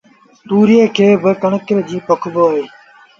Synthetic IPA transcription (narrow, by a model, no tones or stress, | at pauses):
t̪uːɾɪjeːkʰeːbɪkəɳəkɾd͡ʑiːpəkʰboaːɦeː